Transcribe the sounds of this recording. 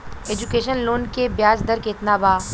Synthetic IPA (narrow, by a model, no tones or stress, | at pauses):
eːd͡ʒukeːʃənloːnkebjaːd͡ʒd̪ɐɾkeɪt̪nabaː